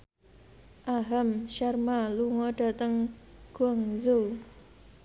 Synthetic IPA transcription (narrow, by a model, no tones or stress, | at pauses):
ʔaɦamʃarmaluŋɔɖ̥a̤t̪əŋɡ̥uaŋzʊl